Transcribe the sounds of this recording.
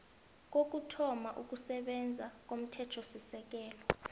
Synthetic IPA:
k̬ok̬utʰɔmaʔuk̬ʼusɛɓɛnd͡zʱak̬ʼom̩tʰɛtʰosisɛk̬ʼɛːlɔ

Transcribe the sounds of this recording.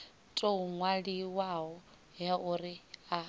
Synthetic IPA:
tʼouŋwaɺiwaɦɔ | jaʔurɪa

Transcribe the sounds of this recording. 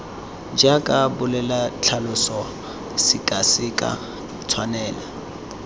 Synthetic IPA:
d͡ʒakʼabʊlɛlat͡ɬʰalʊsɔ | sɪkʼasɪkʼa̰ | t͡sʰwanɛːla

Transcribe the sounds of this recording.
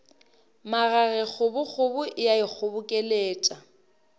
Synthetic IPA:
maɣaɣɛk͡xʰʊbʊk͡xʊbʊʔɪjaɪk͡xʰʊbʊkʼɛleːt͡ʃʼa

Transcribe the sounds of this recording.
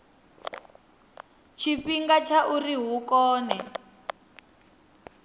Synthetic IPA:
t͡ʃʰiɸiŋɡat͡ʃʰaʔuriɦukɔːnɛ

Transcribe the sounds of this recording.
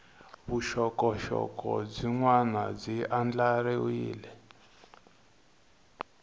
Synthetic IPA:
βuʃɔkɔʃɔ̰kɔd͡ziŋwanad͡ziʔand͡ɮaɾiuḭːlɛ

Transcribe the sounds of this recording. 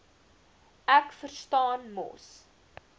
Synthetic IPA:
ækfərstɑːnmɔ̰s

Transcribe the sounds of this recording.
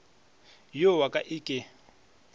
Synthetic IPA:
jowakʼaʔiːkʼɪ

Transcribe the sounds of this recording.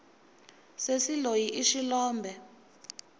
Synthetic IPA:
sesilojiʔiʃilɔːmbʱɛ

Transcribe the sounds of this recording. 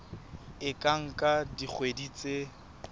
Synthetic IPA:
ɪkʼaŋ̩kʼadik͡xʰwedit͡sʼe

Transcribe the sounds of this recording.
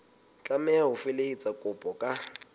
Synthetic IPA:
t͡ɬʼamɛaɦʊfɪleit͡sʼakʼʊpʼɔkʼa

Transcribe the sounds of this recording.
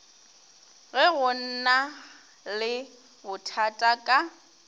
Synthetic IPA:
ɣɛɣʊn̩na | lɪ | bʊtʰatʼakʼa

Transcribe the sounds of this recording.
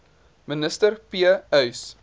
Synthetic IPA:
mənəstərpiəœɥs

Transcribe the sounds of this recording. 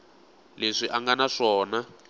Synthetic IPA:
leʂiʔaŋɡanaʂɔːna

